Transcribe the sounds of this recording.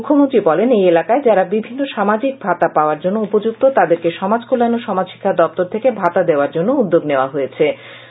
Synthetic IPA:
mukʰːomont̪ɾibɔlenejelakaed͡ʑaɾabibʱinːoʃamad͡ʑik̚bʱat̪apaoaɾd͡ʑonːoupod͡ʑuk̚t̪ot̪ad̪eɾkeʃɔmad͡ʑkolːanoʃɔmadʃi̥kʰːad̪ɔp̚t̪oɾt̪ʰekebʱat̪ad̪eoaɾd͡ʑonːoud̪ːoɡneoaɦojet͡ɕʰe

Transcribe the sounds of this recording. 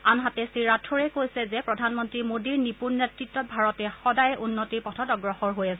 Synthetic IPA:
anɦatɛsiɹatʰɔɹɛkojsɛzɛpɹɔdʱanmɔntɹimodiɹnipuɹnetɹitːɔt̚bʱaɹɔtɛxɔdajʔunːotiɹpɔtʰɔtɔɡɹɔxɔɹɦojasɛ

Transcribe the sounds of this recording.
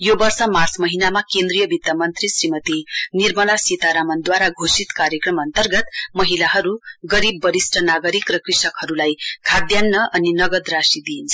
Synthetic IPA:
jobʌrsʌmart͡smʌɦinamakend̪rijʌbit̪ːamʌnt̪risrimʌt̪inirmʌlasit̪aɾamʌnd̪waɾaɡʱosit̪kaɾjekrʌmʌnt̪ʌrɡʌt̪mʌɦilaɦʌɾuɡʌɾibːʌɾisʈʰʌnaɡʌɾikrʌkrisʌkhʌɾulajkʰad̪janːʌʔʌninʌɡʌd̪rasid̪iint͡sʰʌ̥

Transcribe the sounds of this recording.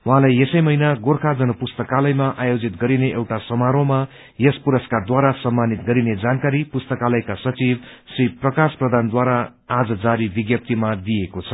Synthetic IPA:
wuɦãlajesʌjmʌjnaɡorkʰad͡zʌnʌpust̪ʌkalʌjmaʔajod͡zit̪ɡʌɾineʔewʈasʌmaɾoma | jespuɾʌskad̪waɾasʌmːanit̪ɡʌɾined͡zankaɾipust̪ʌkalʌjkasʌt͡sib | sriprʌkasprʌd̪ʱand̪waɾaː | d͡zʌd͡zaɾibiɡjʌp̚t̪imad̪ijekot͡sʰʌ

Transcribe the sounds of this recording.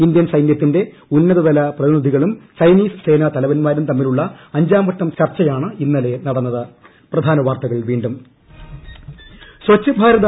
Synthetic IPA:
ind̪jɐnsɐjnjɐt̪ːinde̞ | unːɐðɐðɐlɐprɐðinid̪ʱiɣɐɭumsɐjniːsɨ̥se̞ːnɐt̪ɐlɐʋɐnmaːɾumt̪ɐmːiluɭːɐɐɲd͡ʑaːmʋɐʈ̪ːɐmt͡ɕɐrt͡ɕːɐjaːɳɨinːɐle̞nɐɽɐnːɐðɨ | prɐd̪ʱaːnɐʋaːrt̪ɐɣɐɭʋiːɳɖum | swɐt͡ɕːɐbʱaːɾɐðɐ

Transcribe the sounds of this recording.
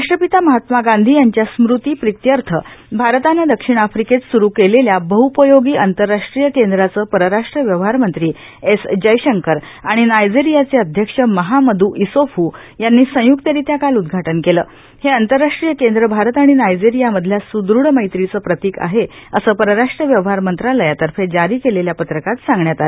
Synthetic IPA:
aʂʈɾəpit̪aməɦat̪maɡand̪ʱiːjaɲt͡ɕjasmɾut̪iːpɾit̪jəɾt̪ʰəbʱaɾt̪aned̪əkʂiɳ̃afɾiket͡ssuɾuːkeleljabəɦupəjoɡiːʔənt̪əɾːaʂʈɾijəkend̪ɾat͡səːpəɾəɾaʂʈɾəʋjəʋɦaɾmənt̪ɾiː | esd͡ʑəjɕəŋkəɾ | aɽ̃inajd͡ziɾijat͡seəd̪ʱjəkʂəməɦaməd̪uːʔisofuː | janːiːsə̃juk̚t̪əɾiːt̪jakalud̪ɡʱaʈənkeləː | heant̪əɾːaʂʈɾijəkend̪ɾəbʱaɾət̪aɽ̃inajd͡ziɾijaməd̪ʱljasud̪ɾuɽməjt̪ɾit͡səːpɾət̪iːka̰ɦe | əsəːpəɾəɾaʂʈɾəʋjəʋəɦaɾmənt̪ɾaləjat̪əɾfed͡ʑaɾiːkeleljapət̪ɾəkat̪sãŋɡɳjat̪aɾe

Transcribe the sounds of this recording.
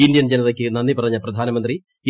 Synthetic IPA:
ind̪jɐnd͡ʑɐnɐt̪ɐkːɨnɐnːipɐɾɐɲːɐpɾɐd̪ʱaːnɐmɐnt̪ɾi

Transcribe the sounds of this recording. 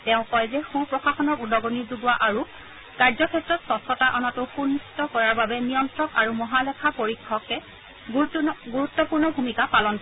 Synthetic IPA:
tɛʊ̃kɔjzɛxupɹɔxaxɔnɔɹudɔɡɔnizuɡʊwaʔaɹu | kaɹzɔkʰɛtɹɔtsɔsɔtaʔɔnɔtʊxunːisi̥tɔkɔɹaɹbabɛnijɔntɹɔkaɹumɔɦalɛkʰapoɹikʰːɔkɛ | ɡuɹutːɔpuɹnɔbʱumikapalɔnpɔ

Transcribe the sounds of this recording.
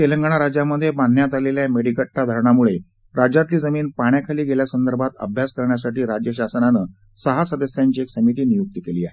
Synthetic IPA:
t̪eləŋɡaɳ̃aɾad͡ʑamːəd̪ʱjeban̤ːjat̪aleljameɽikəʈːad̪ʱəɾɳamuɭe | ɾad͡ʑat̪liːd͡zəmiːnpaɳjakʰaliːɡeljasənd̪əɾbʱat̪ə̰bʱjaskəɾɳjasaʈiːɾad͡ʑjəɕasnanə | səɦasəd̪əsjaɲt͡ɕiːeksəmit̪iːnijuk̚t̪əkeliːaɦe

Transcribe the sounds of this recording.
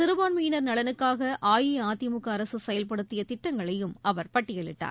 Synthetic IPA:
t̪ɪɾɯʋaːɳmijɪnɐɾnɐɭɐnɯkːaːɣɐʔaːjiaːt̪ɪmɯkːɐːɾɐsɯsɛjɐlpɐɽɯt̪ːɪjɐt̪ɪʈːɐŋɡɐɭɐjɯmɐʋɐɾpɐʈːɪjɐɭɪ̰ʈːa̰ːɾ

